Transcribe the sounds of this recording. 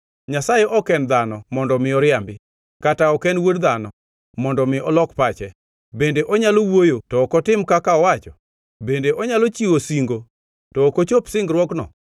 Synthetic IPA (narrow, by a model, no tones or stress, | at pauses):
ɲasajeʔɔkɛnd̪anɔmɔndɔmɪɔɾɪambɪ | kataɔkɛnwodd̪anɔ | mɔndɔmɪɔlɔkpat͡ʃɛ | bendeʔɔɲalowojotɔːkɔtɪmkakaɔwat͡ʃɔ | bendeʔɔɲalot͡ʃiwosiŋɡo | tɔːkot͡ʃopsɪŋɡɾwɔknɔ̰